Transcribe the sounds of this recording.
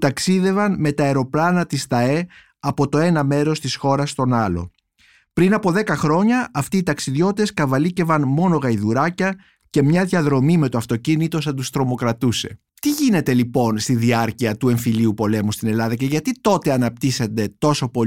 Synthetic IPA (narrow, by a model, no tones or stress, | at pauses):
t̪ɐksiðe̞vɐnme̞t̪ɐeɾo̞plɐnɐt̪ist̪ɐe̞ | ɐpo̞t̪o̞e̞nɐme̞ɾo̞st̪isxo̞ɾɐst̪o̞nɐlo̞̰ | pɾinɐpo̞ðe̞kɐxɾo̞ɲɐʔɐft̪iːt̪ɐksiðʝo̞t̪eskɐvɐlice̞vɐnmo̞no̞ɣɐiðuɾɐcɐ | ce̞mɲɐðʝɐðɾo̞mime̞t̪o̞ɐft̪o̞cinit̪o̞sɐt̪ust̪ɾo̞mo̞kɾɐt̪use̞ | t̪iʝine̞t̪e̞lipo̞nst̪iðiɐɾciɐt̪ue̞ɱfiliupo̞le̞must̪ine̞lɐðɐce̞ʝɐt̪it̪o̞t̪e̞ɐnɐp̚t̪ise̞nd̪e̞t̪o̞so̞po̞